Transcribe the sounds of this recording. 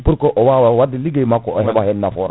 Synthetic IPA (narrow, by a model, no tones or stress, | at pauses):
puɾkɔʔɔwawawadiliɡejmakɔhɛbahɛnːafɔːɾa̰